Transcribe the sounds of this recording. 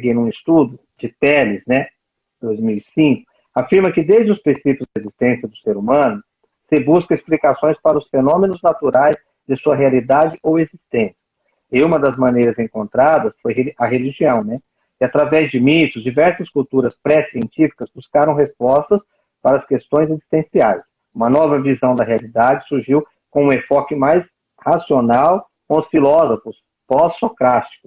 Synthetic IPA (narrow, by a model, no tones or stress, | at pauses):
ɡẽnũɪst̪ud̪ʊ | d͡ʒɪt̪ɛlɪznɛ | d̪ojzmiwisĩkʊ̥ | afiɾmɐkɪd̪ezd͡ʒɪʊspɾĩsipjʊzd̪ɐezist̪ẽsjɐd̪ʊseɾumɐ̃nʊ | sɪbuskɐesplikasõj̃spaɾɐʊsfenõmẽnʊznat̪uɾajz | d̪ɪsuɐɦealid̪ad͡ʒɪʔowezist̪ẽsjɐ | ɪũmɐd̪ɐzmɐ̃nejɾɐzẽŋkõnt̪ɾad̪ɐsfojɦeɐɦeliʒiɐ̃w̃nɛ | ɪat̪ɾavɛzd͡ʒɪmit̪ʊzd͡ʒivɛɾsɐskuwt̪uɾɐspɾɛsiẽnt͡ʃifi̥kɐzbuskaɾɐ̃w̃ɦespɔst̪ɐs | paɾɐskest̪õj̃zezi̥st̪ẽsiajs | ũmɐnɔvɐvizɐ̃w̃d̪ɐɦealid̪ad͡ʒɪsuɾʒiw | kõũefɔkɪmajs | hasionaw | kõʊsfilɔzofʊs | pɔsːokɾast͡ʃi̥kʊ̥